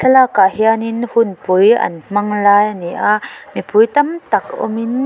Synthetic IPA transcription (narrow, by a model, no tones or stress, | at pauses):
t͡ɬʰɐlakaʔhianinhunpujɐ̰nm̥ɐŋlaːjaniʔamipujt̪ɐmt̪ɐkɔ̰min